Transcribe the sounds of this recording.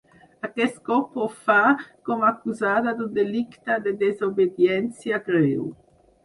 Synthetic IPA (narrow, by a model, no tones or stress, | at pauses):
akɛskɔpofakɔmakuzaːd̪ad̪ud̪elikt̪ad̪ed̪ezobed̪jɛnt͡sjaɡɾew